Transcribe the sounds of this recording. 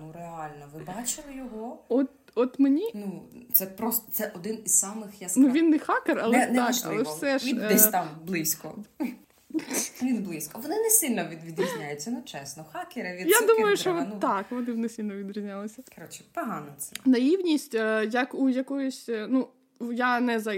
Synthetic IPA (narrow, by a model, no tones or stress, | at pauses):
nureɑlʲnɔʋɪbɑt͡ʃɪlˠɪjɔɦɔɔt̪ | ɔt̪menʲinut̪sɛpɾɔst̪ɔ̥t̪sɛʔɔd̪ɪniz̥sɑmɪxjasnuʋʲinːɛxɑkerɐlˠɛnnaɐ̰lˠɛwsɛʃʲiɛt̪amblˠɪsʲkɔ̰ | ʋʲid̪blˠɪsʲkɔʋɔnɪnɛsɪlʲnɔʋʲid̪ʋʲid̪ɾʲizʲnʲajʊt͡sʲːɐnɛt͡ʃɛsnɔxɑkeɾɐʋʲijad̪umɐjʊʃt͡ʃɔɔtnːɑkʋɔnɪʋnɪsʲilʲnɔʋʲid̪ɾʲizʲnʲalˠɐsʲɐkɾɔt͡ʃɪ̥pɐɦɑnɐt̪sɛnɐjiwnʲisʲtʲːjɐkujɐkɔjʊsʲnu | janɛzɐ